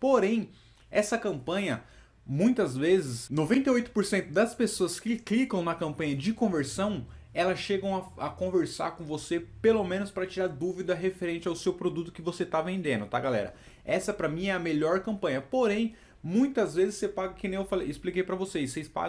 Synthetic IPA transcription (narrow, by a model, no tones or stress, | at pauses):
poɾẽj̃ | ɛsɐkɐ̃mpɐ̃ɲɐ | mũj̃t̪ɐzvezɪsnovẽnt̪eojt̪ʊ̥poɾsẽnt̪ʊd̪ɐspesoɐskɪklikɐ̃w̃nɐkɐ̃mpɐ̃ɲɐd͡ʒɪkõveɾsɐ̃w̃ | ɛlɐsʃeɡɐ̃w̃ɐɐkõveɾsa̰ɾkõvosepelomẽnʊspɾɐt͡ʃiɾaɾd̪uvid̪ɐɦefeɾẽnt͡ʃɪawsewpɾod̪ut̪ʊ̥kɪvoset̪avẽnd̪ẽnd̪ʊt̪aɡalɛ̰ɾɐ̰ | ɛsɐɛpɾɐmĩɛɐmeʎɔɾkɐ̃mpɐ̃ɲɐpoɾẽj̃ | mũj̃t̪ɐzvezɪsepaɡɐkɪ̃nẽj̃ewfalejɪsplikejpɾɐvosesespa̰